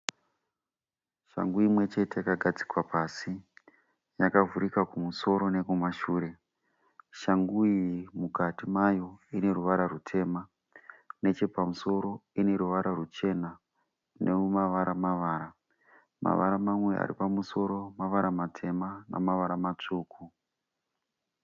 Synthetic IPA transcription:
ʃa̰ŋɡujimwe̞t͡ʃe̞te̞jakaɡʱad͡zi̥kwapaːsi | jakavuɾikakumuso̞ɾo̞ne̞kumaʃuːɾe̞ | ʃaŋɡujimukatimajo̞ine̞ruʋaɾarutʰe̞ːma | ne̞t͡ʃe̞pamuso̞ɾo̞ine̞ɾuʋaɾʔarut͡ʃe̞na | neumaʋaɾamaʋaːɾa | ma̰ʋa̰ɾamamwe̞a̰ɾḭpamuso̞ɾo̞maʋaɾamatʰe̞mana̰maʋaɾamat͡ʂuːkʰu

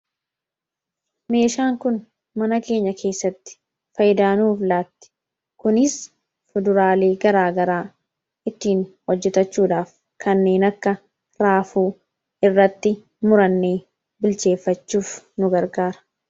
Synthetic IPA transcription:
me̞ːʃaːŋkʊn | mɐnɐke̞ːɲːɐkʰe̞ːsːɐt̪ːɪ̥ | fɐjɪd̪aːnuːflaːt̪ːɪ̥ | kʊnɪs | fʊd̪ʊɾaːleːɡɐɾaːɡɐɾaː | ɪt̪ːiːnwɔd͡ʒːɛt̪ɐt͡ʃːuːᶑaːf | kʰɐnːe̞ːnɐkːɐ | ɾaːfuː | ɪrːɐt̪ːɪ | mʊɾɐnːeː | bɪlt͡ʃe̞ːfːɐt͡ʃːuːfnʊɡɐɾɡaːɾɐ̥

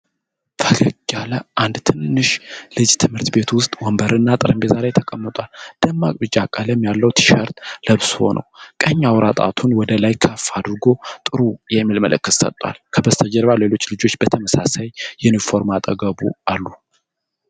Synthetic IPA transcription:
fʰəɡəɡaləʔand̪t̪ʰɨnːɨʃlɨd͡ʒt̪ʰɨmhɨɾt̪be̞t̪wʊst̪ʼwɔmbəɾɨnːat̪ʼɨɾɨmbezaɾajt̪ʰəkʼəmːət̪ʼwald̪̥əmːa̰kʼbɨt͡ʃʼːakʼːələmjalːəwt̪ʰɨ̥ʃəɾt̪ləβsho̞̰nʔə̰wkʼəɲːawɾat̪ʼa̰t̪ʰunwɔd̪əlajkʰəfːad̪ɾɨɡo̞t̪ʼɨɾujɛmːilməlɨkːɨssə̰t̪ʼːwa̰lkʰəbəst̪ʰəd͡ʒəɾβale̞lo̞t͡ʃːlɨd͡ʒo̞t͡ʃːb̥ət̪ʰəməsasajːɛnifo̞ɾmat̪ʼəɡəbualːu

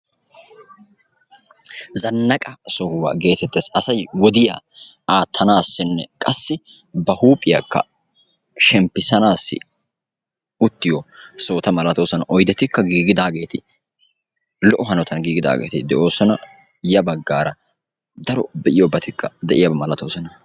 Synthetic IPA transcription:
zɐnːɐkʼɐsɔhʊwa̰ːɡe̞ːt̪ɛt̪ːeːsɐsɐjwɔd̪ɪjaː | aːt̪ʰːɐnaːsːɪnːɛ̰kʼɐsːɪ | bɐhuːpʼɪjɐkːɐ̰ | ʃɛmpːɪsɐnaːsːɪ̰ | ʊt̪ːɪjɔso̞ːt̪ɐmɐlɐt̪o̞ːsɐnɐʔɔjd̪ɛt̪ːɪkːɐɡiːɡɪd̪aːɡe̞ːt̪ɪ | lɔʔɔɦɐnɔt̪ʰɐnɡiːɡɪd̪a̰ːɡḛːt̪ɪd̪ɛʔo̞ːsɔnɐ | jɐbɐɡːaːɾɐ | d̪ɐɾɔbɛʔɪjɔbɐt̪ɪkːɐd̪ɛʔɪjɐbɐmɐlɐt̪o̞ːsɐnɐ

